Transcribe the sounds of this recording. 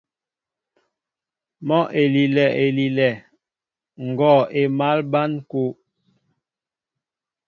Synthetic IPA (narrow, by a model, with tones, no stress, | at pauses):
mɔ˦ʔe˨li˨lɛ˨ʔe˨li˨lɛ˨ | ŋ̩˨ɡɔ˨e˨ma˦lba˦nko˦